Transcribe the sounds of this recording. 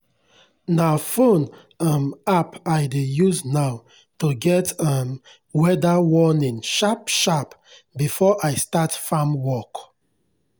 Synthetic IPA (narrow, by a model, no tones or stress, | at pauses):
nafõn | amapaɪdejuznaʊ | tuɡɛtʌm | wɛdawɔnĩŋʃapʃap | bifɔʔaɪstatfãmwɔk